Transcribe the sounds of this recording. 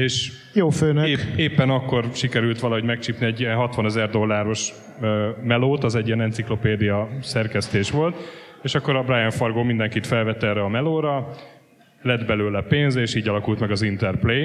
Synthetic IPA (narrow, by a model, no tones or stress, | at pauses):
eːʃ | joːføːnøeːpːɛnɒkːo̞rʃikɛɾylt̪ʋɒlɒɦo̞ɟmɛk̚t͡ʃipniɛɟːijɛnɦɒt̪ʋɒnɛzɛrd̪o̞lːaːɾo̞ʃ | mɛloːt̪ɒzɛɟːijɛnɛnt̪siklo̞peːd̪ijɒsɛrkɛst̪eːʃʋo̞lt̪ | eːʃɒkːo̞ɾɒbrajɛɱfɒrɡoːmind̪ɛŋkit̪fɛlvɛt̪ːɛːrɛɒmɛloːɾɒ | lɛd̪bɛløːlɛpeːnzeːʃiːɟɒlɒkult̪mɛɡɒzint̪ɛrpleː